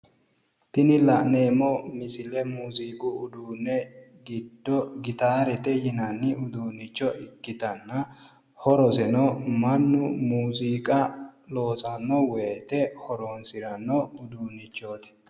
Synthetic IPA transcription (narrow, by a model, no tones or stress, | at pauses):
t̪ɪnɪlɐʔneːmɔmɪsɪlɛmuːziːkʼʊʊd̪uːnːɛɡɪd̪ːɔɡɪt̪aːɾɛt̪ɛjɪnɐnːɪʊd̪uːnɪt͡ʃːɔʔɪkːɪt̪ɐnːɐ | hɔɾɔsɛnɔmɐnːʊmuːziːkʼɐlo̞ːsɐnːɔwɛːt̪ɛhɔɾonsɪɾɐnːɔʊd̪uːnːɪt͡ʃːo̞ːt̪ɛ̥